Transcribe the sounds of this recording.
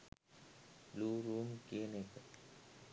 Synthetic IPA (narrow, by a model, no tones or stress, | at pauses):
luːɾuːmkenek